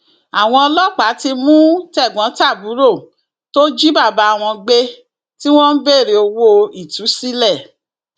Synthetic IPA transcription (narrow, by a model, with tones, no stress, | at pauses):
a˨w̃ɔ̃˧ɔ˧lɔ˦˨k͡pa˨˦ti˧mũ˦tɛ˦˨ɡ͡bɔ̃˨˦ta˦˨bu˨˦ɾo˦˨ | to˦d͡ʒi˦ba˦˨ba˨˦˨w̃ɔ̃˧ɡ͡be˦ | ti˦w̃ɔ̃˦n̩˦be˦˨ɾe˨o˧wo˦˧i˨tu˨˦si˦lɛ˦˨